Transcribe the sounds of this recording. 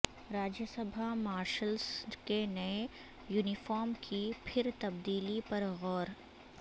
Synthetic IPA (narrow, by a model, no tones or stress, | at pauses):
ɾaːd͡ʒjəsɐbʱamaːɾʃəlskenɐe | juːnɪfɔːɾmkʰipʰɪɾt̪ɐb̚d̪iːlipɐɾɣɔːɾ